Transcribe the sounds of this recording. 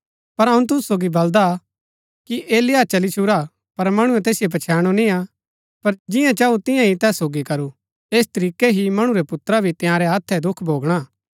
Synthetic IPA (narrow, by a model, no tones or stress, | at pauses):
pɐɾɦɐũt̪̬ʊssoːɡibɐld̪a | kiʔeːlɪjat͡ʃɐlit͡ʃʰʊɾa | pɐɾmɐɽ̃uɛ̃t̪eːsɪjop̬ɐt͡ʃʰɛːɽ̃onĩa | pɐɾd͡ʒɪjãt͡ʃaːut̪ɪ̃jãɦit̪ɛːsːoːɡikɐɾu | eːst̪ɐɾiːkeɦimɐɽ̃ũɾɛpʊt̪ɾabʱit̪ɪjãːɾɛɦat̪ʰːɛd̪ʊkʰbʱoːɡɽ̃aː